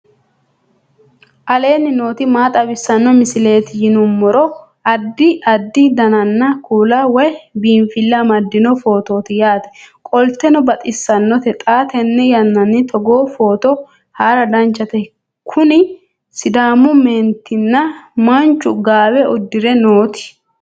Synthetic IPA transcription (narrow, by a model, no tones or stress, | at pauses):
ʔɐle̞ːnːɪnoːt̪ɪmaːt̪ʼɐbɪsːɐnːɔmɪsɪle̞ːt̪ɪjɪnʊmːɔɾɔ | ɐd̪ːɪɐd̪ːɪd̪ɐnɐnːɐkʰuːlawɔjbiːnfɪlːɐmɐd̪ːɪnɔfo̞ːt̪o̞ːt̪ɪjaːt̪ɛ̥kʼɔlt̪ɛnɔbɐt̪ʼɪsːɐnːɔt̪ɛt̪ʼaːt̪ɛnːɛjɐnːɐnːɪt̪ʰɔɡoːfoːt̪ɔ | haːɾɐd̪ɐnt͡ʃːɐt̪ɛ | kʰʊnɪ | sɪd̪aːmʊmeːnt̪ːɪnːɐmɐnt͡ʃːʊɡaːbɛɔd̪ːɪɾɛnoːt̪ɪ̥